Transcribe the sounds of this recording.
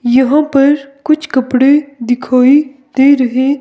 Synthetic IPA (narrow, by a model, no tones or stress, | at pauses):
jɐɦãpɐɾkʊt͡ʃʰkɐpɽed̪ɪkʰaːid̪eːɾɐɦeː